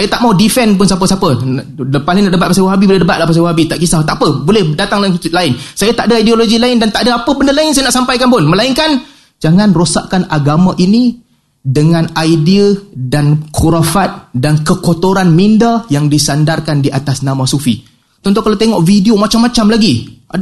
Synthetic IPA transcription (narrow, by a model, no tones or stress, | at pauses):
sajat̪aʔmaudifɛnp̬ʊnsap̬əsapə | palɪŋnaʔdəbat̪̚pasawaɦabibolɛhdəbat̪̚lahpas̬awaɦabit̪aʔkisat̪aʔpəbolɛhdat̪aŋlaɪnkut̪ilaɪnsajat̪aʔdaajdioloɡilaɪndant̪aʔdaapəbəndəlaɪnsajanaʔsampajkanpʊnməlaiŋkan | d͡ʒaŋãnrosa̰ʔkanaɡamãʔini | dəŋãnajdiədankʰuɾafat̪̚dankəkot̪oɾanmindajaŋdisandarkandiʔat̪asnãmãsufḭ | t̪ɔnt̪ɔŋkalawt̪eŋɔʔfidiomat͡ʃamːãt͡ʃamlaɡia